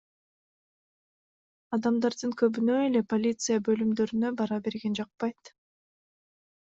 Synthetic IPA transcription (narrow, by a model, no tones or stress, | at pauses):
ɑd̪ɑmd̪ɑɾd̪ɯŋkø̞βynø̞e̞le̞po̞lʲit̪sɨjabø̞lymd̪ø̞ɾynø̞bɑɾɑbe̞ɾɡe̞nd͡ʒɑq̚pɑjt̪